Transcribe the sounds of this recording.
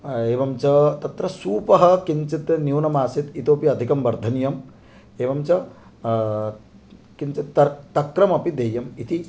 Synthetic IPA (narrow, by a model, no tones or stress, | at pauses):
eːʋɐmt͡ʃɐt̪ɐt̪ɾɐsuːpɐɦɐ̆kiɲt͡ʃit̪njuwnɐmaːsit̪it̪oːpiɐd̪ʱikɐmʋɐɾd̪ʱɐnijɐm | eːʋɐmt͡ʃɐ | kint͡ʃit̪ːɐt̪ɐkɾɐmɐpid̪eːjɐmit̪i